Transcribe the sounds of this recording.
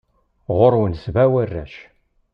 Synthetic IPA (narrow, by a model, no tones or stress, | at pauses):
ʁʊɾwənsvæwərːæ̰ʃ